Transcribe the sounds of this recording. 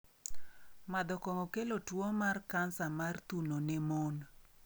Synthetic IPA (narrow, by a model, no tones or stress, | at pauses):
mad̪ɔkɔŋɔkelotwomarkansamart̪unonemon